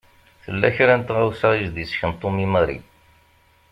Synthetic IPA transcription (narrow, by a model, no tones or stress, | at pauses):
θəlːæçɾænt̪ʁawsæʁizd̪isçənt̪ˤːomimæɾḭ